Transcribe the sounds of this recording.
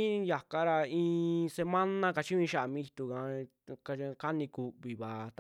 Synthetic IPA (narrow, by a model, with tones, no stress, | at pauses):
ja˨ka˧ɾa˧ĩː˧se˧mã˦nã˦ka˧t͡ʃĩ˦ĩ˧ʃa˧ʔa˨mĩ˧i˧t̪u˧kã˧ | ka˧ka˦nĩ˧ku˧βi˨βa˨t̪